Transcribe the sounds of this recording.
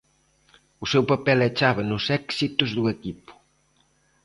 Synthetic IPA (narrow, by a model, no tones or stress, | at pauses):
ʊsɛwpapɛlet͡ʃaβɐnʊsɛksit̪ʊzðuekipʊ̥